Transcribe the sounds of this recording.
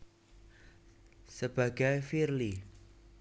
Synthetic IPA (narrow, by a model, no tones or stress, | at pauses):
səb̥aɡ̥ajfirli